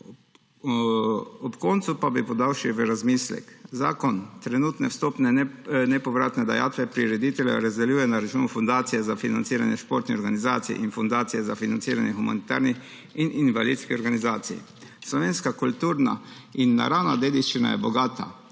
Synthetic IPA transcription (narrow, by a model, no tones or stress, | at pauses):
ɔpkɔnt̪supabipɔd̪awʃiʋɛɾazmislɛ̰kzaːkɔnt̪ɾɛnuːt̪nɛwst̪oːpnɛnɛpɔʋɾaːt̪nɛd̪aja̰ːt̪ʋɛpɾiɾɛd̪it̪ɛljɛ̰ɾazd̪ɛljuːjɛnaɾat͡ʃuːnufɔnd̪aːt̪sijɛzafinant̪siːɾa̰njɛʃpoɾt̪niɔɾɡanizaːt̪sḭʔinfɔnd̪aːt̪sijɛzafinansiːɾanjɛxuma̰nit̪a̰ːɾnix | ininʋalḭd̪skiɔɾɡanizaːt̪sḭj | slɔʋeːnskakult̪uːɾna̰inːa̰ɾawnad̪eːd̪iʃt͡ʃina̰jɛ̰bɔɡaːt̪a̰